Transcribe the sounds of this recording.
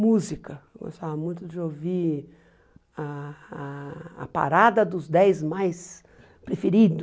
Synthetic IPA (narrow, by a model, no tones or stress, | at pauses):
muzikɐɡo̰st̪avɐmũj̃t̪ʊd͡ʒɪovi | a | ɐ̰pa̰ɾad̪ɐd̪ʊzd̪ɛjzmajs | pɾefeɾid̪ʊ